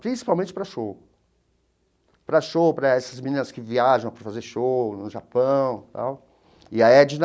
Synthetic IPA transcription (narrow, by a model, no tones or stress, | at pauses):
pɾĩsi̥pawmẽnt͡ʃɪpɾɐʃow | pɾɐʃowpɾɐɛsɐzmĩnĩnɐskɪviaʒɐ̃w̃pɾfazeɾʃownʊʒapɐ̃w̃t̪a̰w | ɪaiɛɐd͡ʒɪn